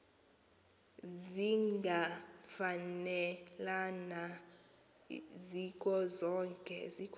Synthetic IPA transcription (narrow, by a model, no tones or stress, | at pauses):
ziŋŋɡʱafanɛlana | zikʼɔzɔːŋkʼɛ̰zikʰ